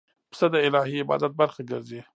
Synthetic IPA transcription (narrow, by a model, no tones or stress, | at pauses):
psəd̪aɪlɑhiɪbɑ̰d̪at̪̚baɾxaɡəɾzi